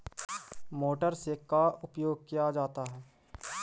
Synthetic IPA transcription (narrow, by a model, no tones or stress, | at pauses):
moːʈəɾsekaʊpjoːɡ̚kijad͡ʒaːt̪aɦɛː